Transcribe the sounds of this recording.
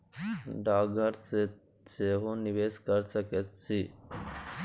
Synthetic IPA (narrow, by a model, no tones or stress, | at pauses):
ɖaːɡʱəɾse | seɦoniʋeːskəɾsəket̪sʰi